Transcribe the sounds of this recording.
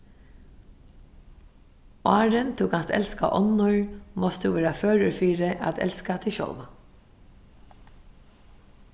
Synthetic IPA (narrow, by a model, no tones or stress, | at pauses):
ɑːɹənt̪ʰuːkʰanst̪ɛ̰lska̰ʔɔnːʊɹmɔst̪ʰuːʋeːɾaføːɹəɹfiːɾəʔa̰t̪ʰɛ̰lskat̪ʰɪʃɔ̰lʋa